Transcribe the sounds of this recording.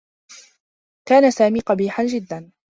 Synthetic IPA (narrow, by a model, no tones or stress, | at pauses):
kaːnasaːmiːqɑbiːħand͡ʒɪd̪ːan